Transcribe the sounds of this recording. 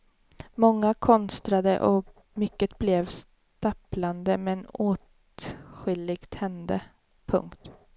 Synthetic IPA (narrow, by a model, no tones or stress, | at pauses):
mɔŋːakʰɔnst̪ɾad̪ə̰ʔɔ | mʏkːət̪blɛvs | t̪apland̪əmɛnoːt̪ | ɧɪlːɪɡ̥t̪hɛnd̪ə | pʰɵ̰ŋkt̪